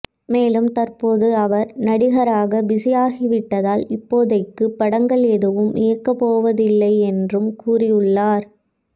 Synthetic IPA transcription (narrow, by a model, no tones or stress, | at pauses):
meːlɯmt̪ɐrpoːðɯɐʋɐɾnɐɽɪɣɐɾaːɣɐbɪsɐjaːɣɪʋɪʈːɐðaːlɪpːoːðɐɪkːɯpːɐɽɐŋɡɐɭɛðɯʋɯmʔɪjɐkːɐpːoːʋɐðɪlːɐɪɛndrɯmkuːrɪjɯɭːaːɾ